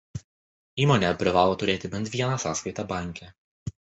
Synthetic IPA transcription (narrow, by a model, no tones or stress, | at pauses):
iːmɔːnʲɛpʲɾʲɪʋɑːlˠoːt̪ʊɾʲeːt̪ʲɪbʲɛnt̪ʲʋʲiɛnɑsɑːskɐɪt̪ɑbɑˑŋʲkʲɛ